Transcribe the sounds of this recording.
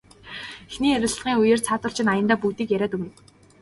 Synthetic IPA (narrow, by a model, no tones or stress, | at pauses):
exniːeɾʲɪ̆ɮ̆ʁiːŋujeːr̥t͡sʰaːt̪ə̆ɮ̥t͡ɕʰɪ̆najə̆nt̪aːpuːt̪iːkjæɾʲæːt̪ɵmɘ̆n